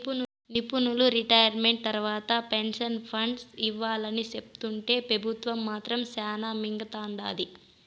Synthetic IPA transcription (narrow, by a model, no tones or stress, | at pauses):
nipunuluɾiʈɐjɐɾme̞ɳʈ̚t̪ɐɾʋaːt̪ɐpenʂɐnpʰɐɳɖsiʋːaːlɐnit͡ʃept̪uɳʈe̞ːpɾɐbʱut̪ʋɐmːaːt̪ɾɐmsaːnaːmiŋɡɐt̪aːɳɖa̰ːd̪i